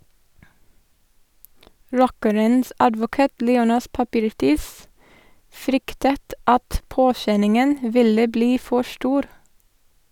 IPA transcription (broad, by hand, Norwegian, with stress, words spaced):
ˈɹɔkəɾəns ɑdʋʊˈkɑːt ˈliːˌoːnɑs pɑˈpiːɾˌtiːs ˈfɾʏktət ˈɑt ˈpoːˌʃɛnɪŋən ˈʋɪlə ˈbliː ˈfɔ ˈʃʈuːɾ